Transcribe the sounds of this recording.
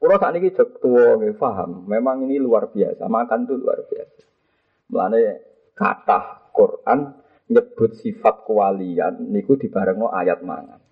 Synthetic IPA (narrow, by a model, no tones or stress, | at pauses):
kuɾɔsaʔniki̥ʒ̥ək̚t̪uwɔŋefaɦa̰mːemaŋiniluarb̥iasa̰makant̪ulṵa̰rb̥iasḁ | məla̰ne | ka̰t̪ahkurʔan | ɲəb̥ʊ̤t̪̚sifat̪̚kəwalia̰nːikud̪̥i̤b̥a̤ɾəŋɔʔa̰jat̪̚ma̰ŋa̰n